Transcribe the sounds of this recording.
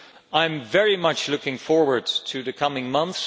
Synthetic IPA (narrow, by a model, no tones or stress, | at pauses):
ãɪ̃ɱvɛɹimʌt͡ʃlʊkɪ̃ŋfɔɹwə˞d̚tʰɨðɨkʰʌmɪ̃ŋmʌ̃nθs